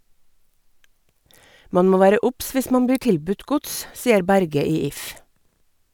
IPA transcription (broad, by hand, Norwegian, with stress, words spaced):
ˈmɑn ˈmoː ˈʋæːɾə ˈʊps ˈʋɪs ˈmɑn ˈbiː ˈʈɪlˌbʉt ˈɡʊts ˈsiːəɾ ˈbæɾɡə ˈiː ˈɪf